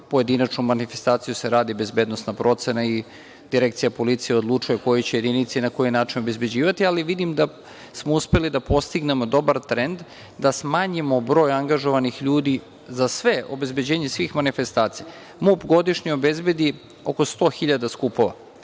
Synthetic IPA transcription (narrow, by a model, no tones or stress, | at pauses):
po̞je̞d̪inat͡ʃnumanife̞st̪aːt̪sijuse̞ɾaːd̪ibe̞zbe̞ːd̪no̞snapɾo̞t̪se̞nai | d̪̥iɾekt̪sijapo̞lit̪sijeo̞d̪lˠut͡ʂujeko̞jet͡ɕeje̞d̪init̪siinako̞jinaːt͡ʃino̞be̞zbe̞d͡ʑiːʋat̪ialiʋid̪imd̪a | smouspe̞lid̪apo̞st̪iɡne̞mo̞d̪o̞baɾt̪ɾend̪ | d̪asmaːɲimo̞bɾo̞ːjaŋɡaʒoʋanixʎuːd̪i | zasʋe̞o̰be̞zbe̞d͡ʑeːɲesʋiːxmanife̞st̪aːt̪sija | mupɡo̞d̪iʃɲio̞be̞zbe̞d̪i | o̞ko̞st̪o̞ːxiʎad̪askupo̞ʋa̰